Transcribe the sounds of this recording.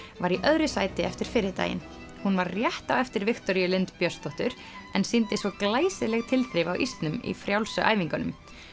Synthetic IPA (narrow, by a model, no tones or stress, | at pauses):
vaɾiʔœðɾʏsaːjt̪ɪɛft̪ɪɾ̥fɪːɾɪt̪a̰ːjɪ̰n | hunvaɾrjɛht̪awɛft̪ɪɾvɪxt̪ɔɾjʏlɪnt̪pjœst̪ɔht̪ʏɾ | ɛnsint̪ɪsvɔklaːjsɪlɛɣt̪ʰɪlθɾɪvawʔist̪nʏmḭfɾjawlsʏʔaːjviŋkʏnʏm